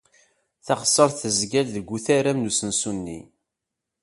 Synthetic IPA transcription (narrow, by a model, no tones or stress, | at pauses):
θɑχə̥sˤːəɾˤθəzɡælðəɡʷːuθæɾæmnusənsunːḭ